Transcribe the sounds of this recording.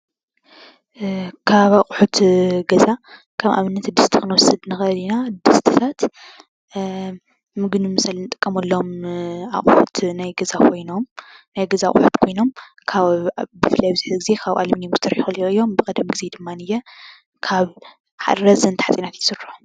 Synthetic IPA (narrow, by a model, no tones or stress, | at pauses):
kʰaβaqʼuħut̪ɡɐza | kʰɐβʔa̰βɨnːɐt̪d̪ɨst̪ʰi̥kɨnwɔsɨd̪nɨxɐlinad̪ɨst̪ʰit̪ʰat̪ | mɨɡnumɨsalnɨt̪ʼɨkʼːɐmɐlːoma̰χʼuħut̪najɡɐzakʰo̞jno̞mnajɡɐzaχʼħut̪kʰo̞jno̞m | kʰabɨfɨlːajbɨzɨħzɡize̞kʰaβʔa̰limnjomɡzɨt̪ʰɨɾħxɨlioɨjːo̞mbɨkʼɐd̪ɐmɡɨze̞d̪ɨmːanɨjɛ | kʰaβ | ħa̰ɾɾɐzɐnt̪ħat͡sʼinat̪jt̪ʰsɨɾħu